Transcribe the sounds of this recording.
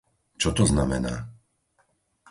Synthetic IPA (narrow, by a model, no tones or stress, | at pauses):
t͡ʃɔt̪ɔznamɛna̰ː